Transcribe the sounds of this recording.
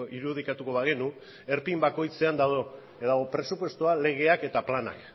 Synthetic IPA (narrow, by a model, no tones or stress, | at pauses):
ʔiɾuðikat̪uko̞βaɣenu | e̞ɾpimbako̞jt͡se̞and̪aðo | ðaɣopɾe̞supwest̪uale̞ɣ̞e̞ake̞t̪aplana̰k